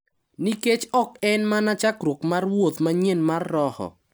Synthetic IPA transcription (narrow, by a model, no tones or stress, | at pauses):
niket͡ʃɔkɛnmanat͡ʃakɾwokmarwot̪maɲenmarːɔhɔ̰